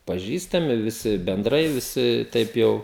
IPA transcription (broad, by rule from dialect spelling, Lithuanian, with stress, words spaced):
pɐˈʒʲiːstɐmʲɪ ʋʲɪˈsʲɪ bʲɛnˈdrɐɪ ʋʲɪˈsʲɪ ˈtʲɛɪp ˈjɛʊ